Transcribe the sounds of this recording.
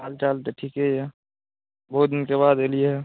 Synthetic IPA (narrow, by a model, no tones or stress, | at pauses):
aːlt͡ʃaːlt̪eʈʰiːkɦɛje | boɦʊt̪̚d̪ɪnkeβaːd̪eːlieɦɛ